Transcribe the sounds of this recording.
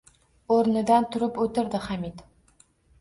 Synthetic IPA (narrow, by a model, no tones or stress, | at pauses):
oɾnɨd̪ɑnt̪ʰʊɾɨpɵt̪ʰɪɾd̪ɪχæmid̪